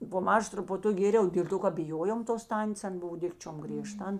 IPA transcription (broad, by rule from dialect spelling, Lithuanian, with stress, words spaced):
poː ˈmɑːʒɐ trʊpʊˈtʊk ˈɡʲeːrʲɛʊ dʲeːlˠ ˈtoː kɐ bʲɪˈjoːjoːm toːs ˈtɐnʲtʲeːs ˈɐn ˈbʊw ˈdʲɪkt͡ʃʲoːm ɡrʲiɛˈʃtɐ ˈɐn